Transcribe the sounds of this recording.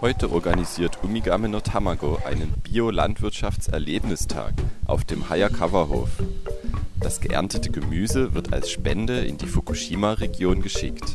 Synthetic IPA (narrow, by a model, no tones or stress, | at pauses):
hɔʏtəʔɔɐɡaniziːɐtʰʔumiɡaːmənotʰamaɡoʔa̰ɪnənb̥iːola̰ntv̥ɪɐtʃaft͡sɛ̰ɐleːpnɪstʰa̰ːkʔa̰ʊfd̥eːmhaɪɐkʰavɐho̰ːf | d̥asɡ̥əʔɛ̰ɐntətəɡəmyːzəvɪɐta̰lsʃpɛndəɪ̰ndiːfokʰuʃiːmaʁeɡjoːnɡəʃɪ̰kt